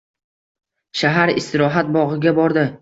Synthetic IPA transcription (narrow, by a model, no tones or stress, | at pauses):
ʃaɦaɾɪst̪ɪɾɒɦat̪̚bɒʁɪɡʲabɒɾd̪ɪ